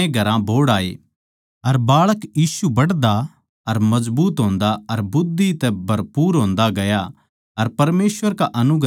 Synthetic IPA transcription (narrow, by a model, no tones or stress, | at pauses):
ẽɡʱɐɾãbʱoːɽaːḛ | ɐɾbaːɭəkjiːsubɐɽd̪a | ɐɾmɐzbuːt̪ɦõːnd̪aɐɾbʊd̪ʱːit̪ɛbʱɐɾpuːɾɦõːnd̪aɡɐja | ɐɾpɐɾmeːsʋəɾkaʔɐnʊɡ